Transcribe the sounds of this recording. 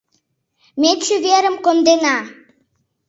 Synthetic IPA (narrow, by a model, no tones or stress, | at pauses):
met̪t͡ɕuveɾə̆mkond̪enɑ